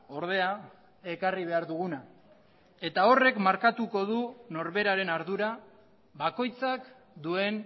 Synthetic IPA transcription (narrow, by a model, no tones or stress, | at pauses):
o̞ɾð̞e̞a | e̞kariβ̞e̞aɾðuɣuna | e̞t̪ao̞re̞kmaɾkat̪uko̞ðuno̞ɾβe̞ɾaɾe̞naɾðuɾa | βako̞jt͡sak | d̪ue̞n